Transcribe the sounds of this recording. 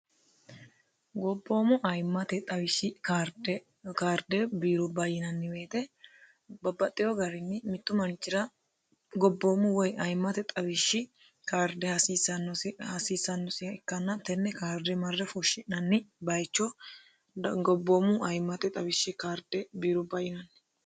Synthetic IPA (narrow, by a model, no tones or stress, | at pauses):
ɡɔbːo̞ːmʊʔɐjmːɐt̪ɛt̪ʼɐbɪʃːɪkaɾd̪ | kaːɾd̪ɛbiːɾɔbɐjɪnɐnːɪbe̞ːt̪ɛ | bɐbːɐt̪ʼːɪjɔɡɐɾɪnːɪmɪt̪ːʊmɐnt͡ʃːɪɾɐ | ɡɔbːoːmʊwɔjɐjmːɐt̪ɛt̪ʼɐbɪʃːɪ | kaːɾd̪ɛhɐsisɐnːɔshɐsiːsɐnːɔsɪjɐɛkːɐnːɐt̪ɛnːɛkaːɾd̪ɛmɐrːɛfɔʃɪnɐnːɪbɐjt͡ʃːɔ | ɡɔbːoːmʊʔɐjmːɐt̪ɛt̪ʼɐbɪʃːɪkaːɾd̪ɛbiːɾʊbɐjɪnɐnːɪ